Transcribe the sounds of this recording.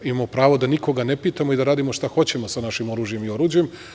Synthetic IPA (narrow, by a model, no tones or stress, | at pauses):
imamopɾaːʋo̞d̪aniko̞ɡane̞piːt̪amoid̪aɾaːd̪imo̞ʃt̪axo̞t͡ɕe̞mo̞sanaʃimo̞ɾuʒije̞mio̞ɾuːd͡ʑujem